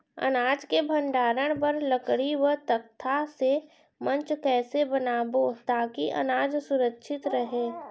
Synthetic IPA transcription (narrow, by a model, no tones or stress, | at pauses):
ɐ̰naːd͡ʒkebʱə̃ɳɖaːɾəɽ̃pɐɾləkɽiwət̪ək̚t̪ʰase | mɐ̃ɲt͡ʃkɛːsebənaːbot̪aːkiʔɐ̰naːd͡ʒsʊɾəkʃʰɪt̪ɾəɦeː